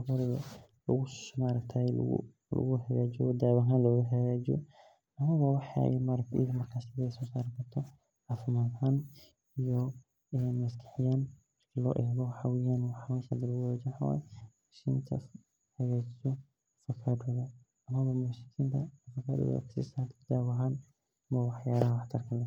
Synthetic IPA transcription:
ɔɣɔlɐɣɐ̰lʊɣʊsmaːɾɐkt̪ʰa̰ | lʊ̰ɣʊhɐɣaːd͡ʒɪjɔd̪aːwɐɦaːnlɔɣʊɦɐɣaːd͡ʒɪ̰jɔ̰ | ʔɐmɐβɐwɑħa̰jɛ̰maːɾɐk̚t̪ʰːɣmɐrkʰaːsɪðɛsɔːsaːɾkʰɐrt̪ʰɔ | ʕaːfɪmaːd̪ɦaːn | ijɔ | ɛmɐskʰɐ̥ħɪjaːnmɐrkʰɐlɔ̰ːʔɛːɣɔwħawɪjaːnwɑħwasad̪ɪlʊɔd͡ʒɪħwa̰ːjmaʃḭːnt̪ʰɐ̰ | hɐɣaːd͡ʒɪsɔ | fɐkʰad̪ɔðɐ | ɐmɐβɐmʊʃɪkʰiːnt̪ʰɐfɐkʰa̰ːd̪ʊ̰ksḭsaːt̪ʰd̪aːwɐɦaːn | ɐmɐwɑħjaːlɐɦwɑħt̪ʰɐrkʰɐlɛ

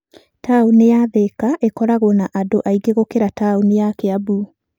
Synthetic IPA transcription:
taunejaðekaʔekɔɾaɣonaʔadoʔaiɡeɣokeɾataunijakeabu

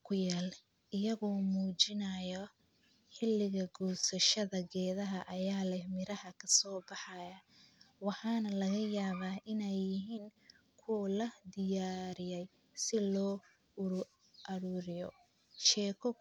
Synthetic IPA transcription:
kʰʊjaːl | ʔɪjɐɣɔːmuːt͡ʃɪnɐjɔ | ħɪlːɪɣɐɡuːsɐʃɐðɐɡɛːðɐɦɐʔɐjaːlɛhmɪɾɐhɐkʰɐsɔːbɑħɑjɐwɑħɑːnɐlɐɣɐjaːβaːʔɪnɛjːɪɦiːŋ | kʰʊwlɐd̪ɪjaːɾɪjɛj | sɪlɔː | ʊɾʊ | ʔɐɾuːɾɪjɔ̰ | ʃɛːkʰɔ

